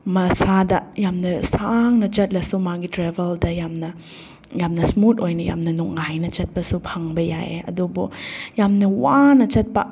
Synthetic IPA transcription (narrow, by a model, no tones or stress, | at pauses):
mɐsadɐjamnɐsaŋnɐt͡ʃɐt̚lɐsumaɡitɾebʱɐldɐjamnɐ | jamnɐsmutojnɐja̰mnɐnuk̚ŋajnɐt͡ʃɐt̚pɐsupʰaŋbɐja̰ḛɐ̰dubujamnɐwanɐt͡ʃɐt̚pɐ